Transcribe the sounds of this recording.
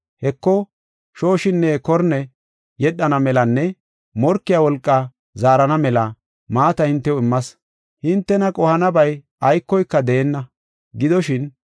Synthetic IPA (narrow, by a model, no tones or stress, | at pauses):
hɛkːɔ | ʃo̞ːʃɪnːɛkɔɾnɛ | jɛɗːɐnɐmɛlɐnːɛ | mɔɾkːɪjawɔlkʼːɐ | zaːɾɐnɐmɛlɐ | maːt̪ɐhɪnt̪ːɛwɔɪmːɐs | hɪnt̪ːɛnɐkʼɔhɐnɐbɐj | ɐjkːɔjkːɐd̪eːnːɐ | ɡɪd̪ɔʃɪn